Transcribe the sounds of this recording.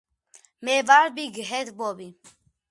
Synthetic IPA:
mevaɾbiɡəɦɛt̪bɔbi

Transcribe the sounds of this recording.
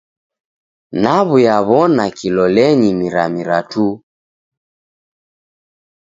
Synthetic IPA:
naβujaβɔnakilɔlɛɲimiɾa̰miɾatu

